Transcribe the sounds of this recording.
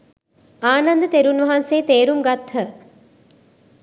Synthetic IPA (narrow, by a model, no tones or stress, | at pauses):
aːnɐnd̪ət̪eɾunʋɐɦanseːt̪eːɾumɡɐt̪ɦə